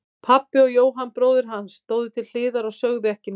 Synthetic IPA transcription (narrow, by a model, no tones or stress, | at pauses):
pʰapːɪɔɣjoːwɦanpɾoːwðɪɾ̥ɦanst̪oːwðɪt̪ʰɪll̥ɪːðaɾaɣsœɣðɪɛhcɪn